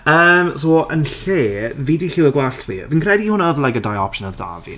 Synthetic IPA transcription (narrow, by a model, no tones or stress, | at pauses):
əːmsoːʔənɬeːviːdiɬɪwəɡwaɬtʰvḭːviːnkʰrɛdihʊnaɔðlˠajkədajɔpʃənəlˠda̰vḭn